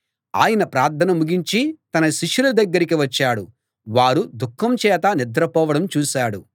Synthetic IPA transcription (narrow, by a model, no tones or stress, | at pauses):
a̰ːjɐnɐpɾaːɾt̪ʰɐnɐmuɡiɲt͡ʃit̪ɐnɐʃiʂulɐd̪ɐɡːɐɾikiʋɐt͡ʃːaːɽu | ʋaːɾud̪ukʰːɐmt͡ʃɛːt̪ɐnid̪ɾɐpɔːʋɐɽɐmt͡ʃuːʃaːɽu